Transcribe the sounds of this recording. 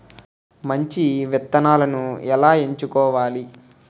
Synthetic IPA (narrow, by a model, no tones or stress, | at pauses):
mɐɲt͡ʃiʋɛt̪ːɐnaːlɐnuɛlaːe̞ɲt͡ʃukɔːʋaːli